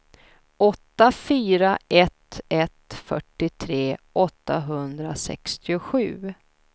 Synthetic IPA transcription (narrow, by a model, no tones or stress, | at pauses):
ɔt̪ːafyːɾaʔɛt̪ɛt̪fœ̰ʈːɪt̪ʰɾeːʔɔt̪ːaɦɵnd̪ɾasɛ̰kst̪ɪʊɧʉ̟ː